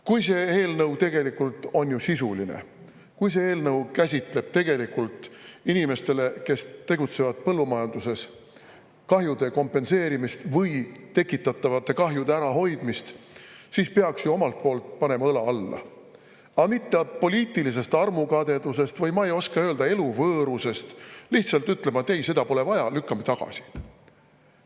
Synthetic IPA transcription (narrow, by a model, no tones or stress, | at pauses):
kujse̞eːlnɤwt̪e̞ɡ̥e̞likːult̪ˑo̞njusisulḭnḛ | kujs̬e̞eːlnɤwkæsʲit̪ˑle̞b̥̚t̪e̞ɡ̥e̞likult̪ˑinime̞st̪e̞le̞ke̞st̪e̞ɡut̪se̞vɑd̪̥̚pɤlːumɑjɑnd̪̥use̞s | kɑɦjud̪̥e̞ko̞mpːˑe̞nse̞ːɾimist̪vɯjt̪e̞kːˑit̪ːˑɑt̪ːˑɑvɑt̪ːˑe̞kɑɦjud̪eæɾɑɦo̞jd̪̥mist̪ | siːspe̞ɑksjuo̞mɑlt̪̚po̞ːlt̪̚ˑpɑne̞mɑɤlɑɑlːɑ̰ | ɑmit̪ːeɑpo̞liːt̪ːˑilis̬e̞st̪ɑrmukɑd̪e̞d̪us̬e̞st̪vɤjmɑejo̞skɑø̞ːld̪̥ɑe̞luvɤːɾuse̞st̪liht̪sɑlt̪ːyt̪ːˑle̞mɑet̪ejse̞d̪ɑpo̞le̞vɑjɑlykːɑmet̪ɑɡ̥ɑ̰si̥